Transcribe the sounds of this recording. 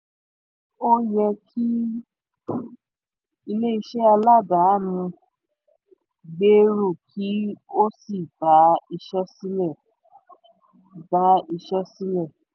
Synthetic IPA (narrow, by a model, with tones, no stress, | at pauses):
o˦jɛ˧kʰi˦ | i˧le˦i˧˦ʃɛ˦a˧la˦˨da˨˦˨nũ˧ | ɡ͡be˦ɾu˦˨kʰi˦o˦si˦˨ba˨˦i˧ʃɛ˦si˦lɛ˦˨ | ba˨˦i˧ʃɛ˦si˦lɛ˦˨